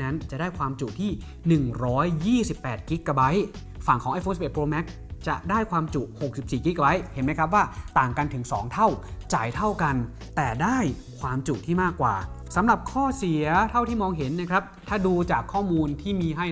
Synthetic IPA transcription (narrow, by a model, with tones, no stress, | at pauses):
na˦˥nt͡ɕa˨˩ʔdaː˥˩jkʰwaː˧mt͡ɕu˨˩t̪ʰiː˥˩ | nɯ˨˩ŋɾɔː˦˥jːiː˥˩si˨˩pːɛː˨˩t̪̚ki˦˥kːa˧ba˦˥j | fa˨˩ŋkʰɔː˩˦ŋʔa˧foː˧nsʔe˨˩t̪̚pɾoː˧mɛ˦˥k̚ | t͡ɕa˨˩daː˥˩jkʰwaː˧mt͡ɕu˨˩ʔho˨˩k̚si˨˩p̚siː˨˩ki˦˥kːa˧ba˦˥jhe˩˦nma˦˥jkʰɾa˦˥p̬̚waː˥˩t̪aː˨˩ŋka˧nt̪ʰɯ˩˦ŋsɔ̰ː˩˦ŋt̪ʰa˥˩wt͡ɕaː˨˩jt̪ʰa˥˩wka˧n | t̪ɛː˨˩daː˥˩j | kʰwaː˧mt͡ɕu˨˩t̪ʰiː˥˩maː˥˩kːwa̰ː˨˩sa˩˦mɾa˨˩p̚kʰɔː˥˩si˨˩˦ɐt̪ʰa˥˩wt̪ʰiː˥˩mɔː˧ŋɦe˩˦nːa˦˥kʰɾa˦˥p̚t̪ʰaː˥˩duː˧t͡ɕaː˨˩kʰːɔː˥˩muː˧nt̪ʰiː˥˩miː˧ɦa˥˩j